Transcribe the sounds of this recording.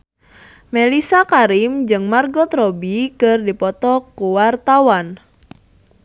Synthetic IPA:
melisakaɾimd͡ʒɨŋmarɡɔt̪ɾɔbikərdipɔt̪ɔkuwart̪awan

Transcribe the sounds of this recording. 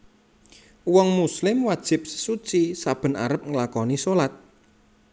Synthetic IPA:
wɔŋmuslɪmwad̥ʒ̥ɪ̤p̚sə̥sut͡ʃisab̥ə̤na̰ɾəp̚ŋəlakɔnisolat̪̚

